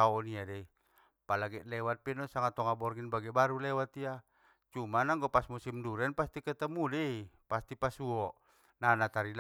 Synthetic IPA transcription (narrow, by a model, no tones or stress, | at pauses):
aɔniadɛi | palaɡɛʔlɛwat̪̚pɛnɔsaŋat̪ɔŋabɔrŋinbaɡɛbaɾulɛwat̪ia | t͡ʃumanaŋɡɔpasmusimduɾɛnpast̪ikət̪əmudɛipast̪ipasuɔ | nanat̪aɾil